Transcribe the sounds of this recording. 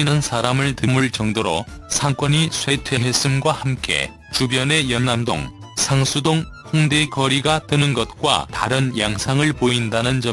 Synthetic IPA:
inɯnsʰaɾamɯɭtɯmuɭt͡ɕʌŋdoɾo̰sʰaŋk͈wʌɲisʰwe̞tʰwe̞ɦe̞s͈ɯmɡwahamk͈e̞̰ | t͡ɕubjʌne̞jʌnːamdo̰ŋ | sʰaŋsʰudoŋ | ɸoŋdekʌɾiɡatɯnɯnɡʌt̚k͈wa̰ta̰ɾɯnjaŋsʰaŋɯɭpoindanɯnd͡ʑʌ

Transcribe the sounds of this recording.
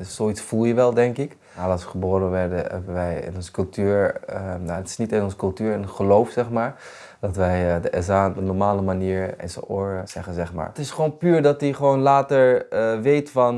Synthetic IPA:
z̥oitsfulˠjəʋɛlˠdɛŋkɪk | maɾɑsʋəχəboːɾənʋɛɹdə̰ɦɛ̰bənʋɛjɪ̰nɔnzə̥kɵlˠtyːɹəjaətɪ̥snitɪnɔnzəkɵlˠtyːɹɛnχəlowfsɛχmaːɹ | d̥ɔtʋɛjdəʔɛzaɔp̚dənɔɹmaːləmaniːɹɛ̰nso̰o̰ɹsɛχənzɛχma̰ːɹtɪsχʋownpyːɹdɑtiχəʋownlaːtəɹʋejtfɑn

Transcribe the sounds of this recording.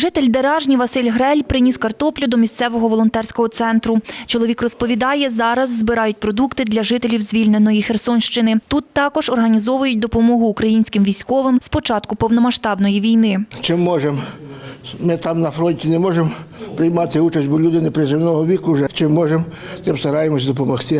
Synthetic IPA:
ʒɪt̪elʲd̪eɾɑʒnʲiʋɐsɪlʲɦɾɛlʲpɾɪnʲiskɐrt̪ɔplʲʊd̪ɔmʲist̪sɛʋɔɦɔʋɔlˠɔnt̪ɛrsʲkɔɦɔt̪sɛnt̪ɾʊt͡ʃɔlˠɔʋʲikrɔspɔʋʲid̪ɑjɛzɑɾɐzːbɪɾɑjʊt̚ʲpɾɔd̪ukt̪ɪd̪lʲɐʒɪt̪elʲiwzʲʋʲilʲnenɔjixersɔnʲʃt͡ʃɪnɪt̪ut̪ːɑkɔʒɔrɦɐnʲizɔʋʊjʊt̚ʲd̪ɔpɔmɔɦʊːkɾɐjinʲsʲkɪmʋʲisʲkɔʋɪmspɔt͡ʃɑt̪kʊpɔwnɔmɐʃt̪ɑbnɔjiʋʲijnɪt͡ʃɪmːɔʒem | mɪt̪ɑmnɐfɾɔnʲtʲinɛmɔʒempɾɪjmɑt̪ɪut͡ʃɐsʲtʲbɔlʲud̪ɪnɪpɾɪzɪmnɔɦɔʋʲikʊʒɛt͡ʃɪmːɔʒem | t̪ɪmst̪ɐɾɑjemɔsʲd̪ɔpɔmɔxt̪ɪ

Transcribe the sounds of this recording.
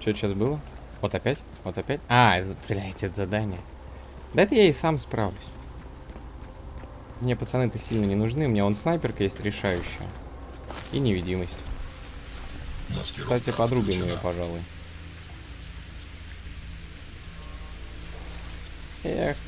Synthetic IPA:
t͡ɕot̪ɕːasbɨlˠə | vo̞t̪ɐpʲætʲ | vo̞t̪ɐpʲætʲaɛt̪ət̪sɨlʲæjt̪ʲɛt̪zɐd̪anʲɪjə | d̪ɐɛt̪əjaejsamspɾavlʲʊsʲ | mnʲepət̪sɨnɨt̪əsʲilʲnənʲɪnʊʐnɨʊmʲɪnʲao̞nsnajpʲɪrkəjesʲtʲɾʲɪʂajʉɕːɪ̰jə̰ | inʲɪvʲɪdʲiməsʲtʲ | kst̪atʲɪpɐd̪ɾubʲɪmɪjopɐʐalˠʊj | ex

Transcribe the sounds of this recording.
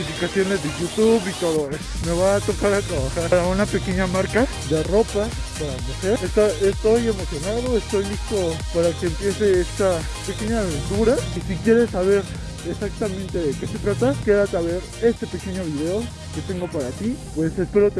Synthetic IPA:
ifikasjo̞ne̞zðeʝut̪uβikoðoɾesme̞βaːt̪o̞kaɾat̪ɾaβaxaɾɾaunape̞ke̞ɲamaɾka | ðe̞ro̞papaɾamuxe̞ɾest̪aest̪o̞je̞mo̞sjo̞naðo̞est̪o̞jlist̪o̞paɾake̞ːmpje̞se̞est̪a | pe̞ke̞ɲaːβent̪uɾaisikje̞ɾe̞sːaβ̞e̞ɾ | esak̚t̪amẽnt̪eðeke̞se̞t̪ɾat̪ake̞ðat̪aβe̞ɾ | e̞st̪e̞pe̞ke̞ɲo̞βiðe̞o̞ | ket̪e̞ŋɡo̞paɾat̪ipwe̞se̞spe̞ɾo̞t̪e

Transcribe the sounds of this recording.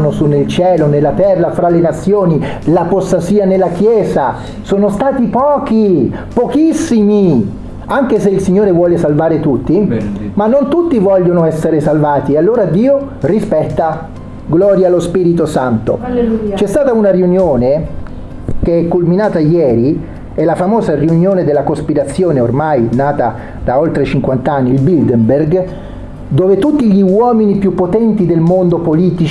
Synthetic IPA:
nosunːelt͡ʃɛːlonelːat̪ɛrːafɾalenat̪sːjoːni | lapost̪asiːanelːak̟jɛːza | soːnost̪aːt̪ipɔːk̟i | pokisːimi | aŋk̟eseilsiɲːoːɾevwɔːlesalvaːɾet̪ut̪ːimanːont̪ut̪ːivɔʎːonoɛsːeɾesalvaːt̪ialːoːɾad̪iːo | rispɛt̪ːa | ɡlɔːɾjalospiːɾit̪osant̪o̰t͡ʃɛst̪aːt̪aunariunjoːne | keɛkːolminaːt̪ajɛːɾi | ɛlafamoːzariunjoːned̪elːakospiɾat̪sːjoːneormajnaːt̪a | d̪aolt̪ɾet͡ʃiŋkwant̪anːiːlbild̪ɛmberɡ | d̪oːvet̪ut̪ːiʎiwɔːminipjupːot̪ɛnt̪id̪elmond̪opoliːt̪it͡ʃ

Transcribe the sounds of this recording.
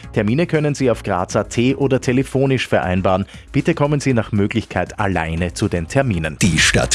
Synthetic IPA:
tʰɛɐmiːnəkʰœnənziːaʊfɡ̥ʁa̰ːt͡satʰeːʔoːdɐtʰelefoːnɪʃfɛɐʔa̰ɪnbaːʁən | b̥ɪtəkʰɔmənziːnaːχmøːɡlɪçkʰaɪta̰la̰ɪnət͡sudeːntʰɛɐmiːnənd̥iːʃta̰t

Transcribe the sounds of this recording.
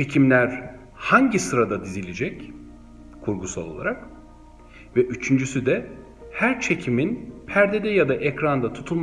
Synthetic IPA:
t͡ʃʰecʰimlʲæɾ | haɲɟisɯɾad̪ad̪izilʲid͡ʒɛc | kʰuɾɡusa̰lˠolˠaɾak | vɛʔyt͡ʃʰynd͡ʒysyd̪ɛ | hæɾt͡ʃʰe̞cʰiminpʰæɾd̪ɛd̪ɛjad̪aʔɛcɾand̪at̪ʰu̥t̪ʰulˠm

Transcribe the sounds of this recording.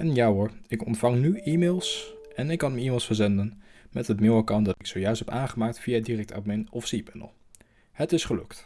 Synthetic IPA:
ʔɛnjaːɦʊɹɪkɔ̰ntfɑŋnyiːmeːlˠsʔɛnɪkːɑnəiːmɪːlˠsfəɹzɛndənmɛtɦətmɪwakawndɑtɪksowjœɥstɦɛpaːnχəmaːk̚tfijadirɛk̚ta̰bmɛnɔfsipɛnə̰lˠ | hətɪsχəlɵ̰kt

